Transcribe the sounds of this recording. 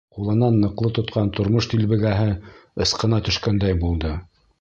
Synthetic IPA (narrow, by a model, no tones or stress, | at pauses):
qulˠɤ̆nɑnːɤ̆qlˠɤt̪ŏt̪qɑnt̪ŏɾmoʃt̪ilβɘ̆ɡæɦɘɤ̆sqɤ̆nɑt̪ɵ̆ʃkænd̪æjbulˠd̪ɤ